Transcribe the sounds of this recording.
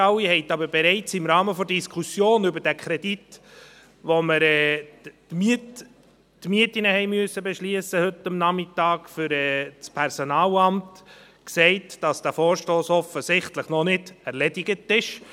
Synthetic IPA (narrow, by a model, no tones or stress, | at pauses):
ɑwihɛɪtɑbəɾbeɾɛɪt͡sɪmɾɑːməfɔdiskʰusjoːnʏbəɾd̥ækχɾɛd̥it | ʋoməɾɛː | mt | tmyətinəhɛɪmyəsːəbɛʃliəsəhʏtːɑmnɑmɪtɑːkfʏɾɛːt͡spʰɛɾsonɑːlɑmt | ksɛɪtd̥ɑsd̥æfɔːɾʃtoːsɔfəsɪχtləχnɔnɪdɛɾlɛdiɡətɪʃ